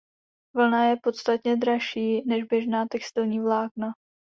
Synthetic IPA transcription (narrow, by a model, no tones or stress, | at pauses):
vl̩najɛpo̞t̪st̪at̪ɲɛd̪ɾaʃiːnɛʒbjɛʒnaːt̪ɛkst̪ɪlɲiːvlaːkna